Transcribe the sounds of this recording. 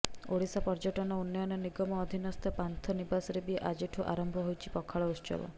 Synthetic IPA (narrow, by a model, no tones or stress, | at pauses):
oɽisapɔɾd͡ʒɔʈɔnɔunːɔnɔniɡɔmɔːd̪ʱinɔst̪ʰɔpant̪ʰɔnibasɔɾebieʔad͡ʒeʈʰuʔa̰ɾɔmbʱɔɦojt͡ʃʰi̥pɔkʰaɭɔust͡ʃɔ̰bɔ̰